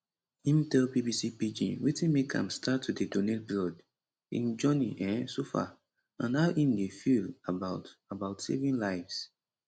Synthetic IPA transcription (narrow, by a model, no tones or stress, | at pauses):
ĩmtɛlbibisipid͡ʒḭ̃nwitĩnmekʰã̰mstʰatʰːudedonet̚bɹɔd | ḭ̃nd͡ʒɔniʔãnsofa̰ | ãnaʊʔĩndefilabaʊtabaʊtsḛvĩnlaɪvs